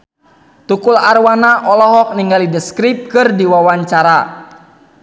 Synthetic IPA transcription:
t̪ukularwanaʔɔlɔɦɔk̚niŋɡalidəskɾip̚kɨrdiwawaɲt͡ʃaɾa

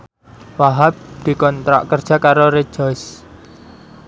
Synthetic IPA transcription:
waɦab̚d̪̥i̤kɔnt̪ɾa̰ʔkərd̥ʒ̥a̤kaɾoɾe̥ʒ̥ɔɪs

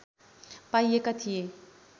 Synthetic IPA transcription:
pajekat̪ʰie

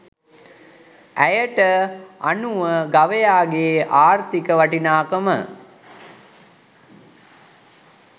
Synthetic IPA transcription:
æjəʈəa̰nuʋəɡaʋejaːɡeːʔaːrt̪ikəʋaʈinaːkəmə̰

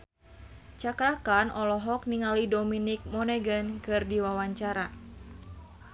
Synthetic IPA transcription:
t͡ʃakɾakanʔɔlɔɦɔk̚niŋalidɔminik̚mɔnɛɡənkɨrdiwawaɲt͡ʃaɾa

